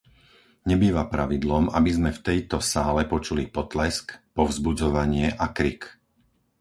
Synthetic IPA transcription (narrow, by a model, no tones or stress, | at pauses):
ɲɛbiːʋapɾaʋid̪lɔmabizmɛft̪ɛjt̪ɔsaːlɛpɔt͡ʃulipɔt̪lɛskpɔvzbud͡zɔʋaɲɪɛʔakɾik